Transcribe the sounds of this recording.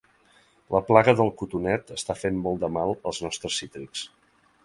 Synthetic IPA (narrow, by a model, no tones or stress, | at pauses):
ləplaɣəðəlˠkut̪unɛt̪əst̪afemmɔlˠd̪əmalˠəlˠznɔst̪ɾəsit̪ɾiks